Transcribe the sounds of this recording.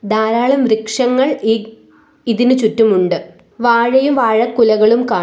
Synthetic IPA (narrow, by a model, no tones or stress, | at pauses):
d̪aːɾaːɭɐmrikʂɐŋːɐɭi | iðinɨt͡ɕutːumuɳɖɨ | ʋaːɻɐjumʋaːɻɐkːulɐɣɐɭumkaː